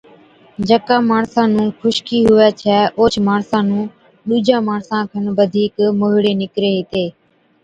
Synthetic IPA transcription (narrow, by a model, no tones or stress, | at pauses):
d͡ʒəkãːmaːɳsãːnũːkʰʊʃkiːɦʊʋɛːt͡ʃʰɛːʔoːt͡ʃʰmaːɳsãːnũː | ɗuːd͡ʒãːmaːɳsãːkʰənʋəd̪ʱiːkmoːɦɪɽeːnɪkɾeːɦɪt̪eː